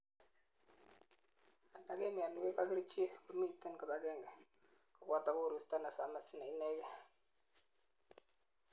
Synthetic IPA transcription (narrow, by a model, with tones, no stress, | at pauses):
a˨na˨ke˦mɪ˨a˨n˦we˦ka˦ki˦ɾt͡ʃe˦ku˨mi˦tːɛ˦nka˨ba˨ɡɛ˦˨ŋɡɛ˨ | kɔ˨ba˦ta˨ku˦˨ɾu˨sta˦na˨sa˨ma˨sɪ˦na˨i˦nɛ˦kɛ˦